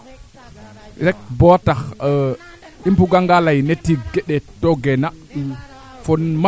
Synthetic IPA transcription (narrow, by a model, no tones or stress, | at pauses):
ɾɛk̚bɔtax | impuɡaŋɡalajnetːiɡɛɗɛtɔɡɛnaɗu | fɔnma